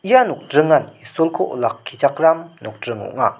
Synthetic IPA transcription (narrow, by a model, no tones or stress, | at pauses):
ʔijanuk̚dɾɯŋanisolkʰoʔo̰lakʰːit͡ʃak̚ɾamnɔk̚dɾɯŋɔ̰ʔŋa